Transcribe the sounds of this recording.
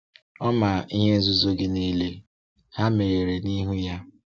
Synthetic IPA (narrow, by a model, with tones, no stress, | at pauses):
ɔ˦ma˨i˦ɦe˦zu˦zo˦ɡɪ˦ni˦le˦ | ha˦me˨ɾe˨ɾe˨ni˦ɦu˦ja˦